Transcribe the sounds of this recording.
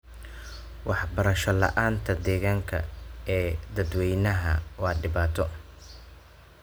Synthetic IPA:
wɑħbɐɾɐʃɔlɐ̰ʔaːnt̪ʰɐd̪ɛːɣaːŋkʰɐ̰ɛːd̪ɐd̪wɛjnɐɦɐwɑːɖɪbaːt̪ʰɔ

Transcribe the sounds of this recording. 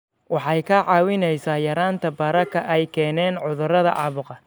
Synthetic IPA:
wɑħɑjkʰɐʕɑːwɪnɛjsaːjɐɾaːnt̪ʰɐbɐɾɐkʰɐʔɛjkʰɛːnɛːnʕʊðʊrɐðɐʔɑ̰ːβʊqɑ

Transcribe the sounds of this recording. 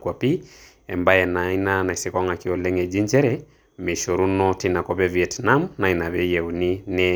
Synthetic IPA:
kwapi | ɛmbajɛnainanaisɛkɔŋakiɔlɛŋɛd͡ʒiɲd͡ʒɛɾɛ | mɛʃɔɾunɔtinakɔpɛviɛtnamnainaβɛjɛuninɛ

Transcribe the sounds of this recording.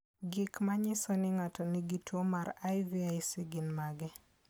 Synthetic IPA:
ɡɪkmaɲɪsɔnɪŋatɔniɡitwomaɾajviajsiɡɪnmaɡɛ

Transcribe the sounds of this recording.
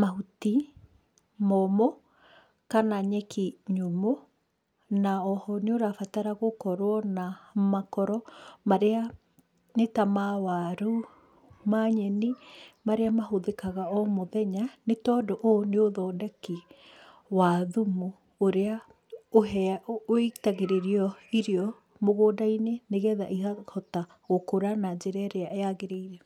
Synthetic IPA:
mahuti | mɔmo | kanaɲɛkʰiɲomo | naɔhɔneoɾafataɾaɣokɔɾwɔnamakɔɾɔmaɾea | netamawaɾu | maɲɛnimaɾeamaɦoðekaɣaɔmoðɛɲanetɔːdoʔoneoðɔːdɛki | waðumu | oɾea | oɦɛoetaɣeɾeɾiɔiɾiɔ | moɣoːdaineneɣɛða̰ʔihahɔta | ɣokoɾanad͡ʑeɾɛɾeaʔeaɣeɾeiɾɛ

